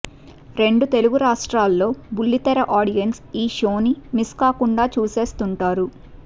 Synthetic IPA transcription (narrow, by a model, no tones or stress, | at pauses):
ɾe̞ɳɖut̪e̞luɡuɾaːʂʈɾaːlːo̞ːbulːit̪ɐɾɐʔaːɽijɐnsiːʃo̞ːnimiskaːkuɳɖaːt͡ʃuːse̞ːst̪uɳʈaːɾu